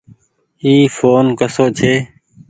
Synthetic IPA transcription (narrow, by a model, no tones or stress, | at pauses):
iːfoːnkəsoːt͡ʃʰeː